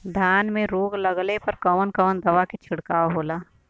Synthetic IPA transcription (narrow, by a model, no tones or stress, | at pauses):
d̪ʱjaːnmẽɾoːɡlɐɡlepɐɾkəʋənkəʋənd̪ɐʋaket͡ʃʰɪɽkaːoɦoːlaː